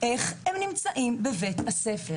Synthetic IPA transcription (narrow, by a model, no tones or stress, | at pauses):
ʔeχhemnimt͡saʔimbevethasefe